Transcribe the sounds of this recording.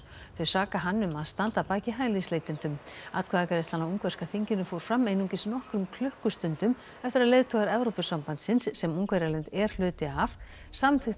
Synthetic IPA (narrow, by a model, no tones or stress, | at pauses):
θœɥsaːkaɦanːʏmaðst̪ant̪apaːcɪɦaːjlisleːjt̪ʏnt̪ʏmat̪kvaːðakaɾɪst̪hanauŋkvɛrskaθiɲcɪnʏfoːwɾ̥fɾamːejnuŋcɪsnɔhkɾʏmkʰlʏhkʏst̪ʏnt̪ʏm | ɛft̪ɪɾaðleːjðt̪ʰɔɣaɾɛvɾowpʏsampant̪sɪnsːɛmuŋkvɛɾjalɛnt̪ɛɾ̥l̥ʏːt̪ɪaf | samθɪ